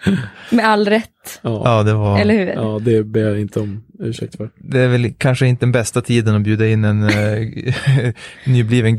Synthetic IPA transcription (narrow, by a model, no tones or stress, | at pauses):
mɛalːɾɛt̪ːɑɑːd̪ɛvaɾɛlːəɾhʉːɾːd̪ɛbeːjaɪnt̪ʰəɔmʉ̟ːʂɛ̰k̚t̪fœɾd̪ɛæɾvɛlkʰanʂəɪnt̪əd̪ɛnbɛst̪at̪ʰiːd̪ənɔbjʉːd̪aɪnːɛn | nːyːbliːvən